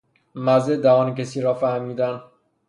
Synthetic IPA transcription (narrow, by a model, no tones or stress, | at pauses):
mæzed̪æɦɒːncesiːɾɒːfæhmiːd̪æn